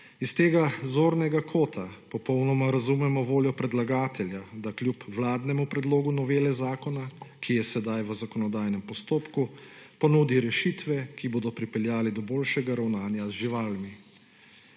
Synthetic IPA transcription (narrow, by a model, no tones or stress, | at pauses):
ist̪eːɡazoːɾnɛɡakʰoːt̪ʰapɔpɔwnɔmaɾazumɛmɔʋoːljɔpɾɛd̪laɡaːt̪ɛljad̪aklʲjupwlaːd̪nɛmupɾɛd̪loːɡunɔʋeːlɛzaːkɔnakʰijɛsɛd̪ajʋəzakɔnɔd̪aːjnɛmpɔst̪oːpkupɔnuːd̪iɾɛʃit̪ʋɛkiboːd̪ɔpɾipɛljaːlid̪ɔboːlʃɛɡaɾawnaːnjazʒiʋaːlmi